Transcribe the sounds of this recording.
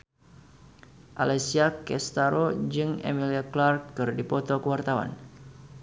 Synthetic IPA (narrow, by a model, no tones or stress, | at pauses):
ʔa̰lɛsiakɛst̪aɾod͡ʒɨŋḛmiliaklarkːɨrdipɔt̪okəwart̪awa̰n